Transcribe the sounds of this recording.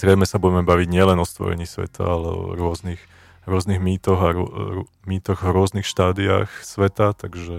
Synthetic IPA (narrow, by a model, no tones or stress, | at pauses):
zɾɛɪmɛsabuɟɛmɛbaʋiɟɲɪɛlɛnɔst̪ʋɔ̰ɾɛ̰ɲiːsʋɛ̰t̪ʰa̰alɛ̰ɔ̰ɾʊɔznix | ɾʊɔzniɣmiːt̪ɔɣaɾ | miːt̪ɔɣɔɾʊɔznixʃt̪aːd̪ia̰ːxsʋɛt̪at̪aɡʒɛ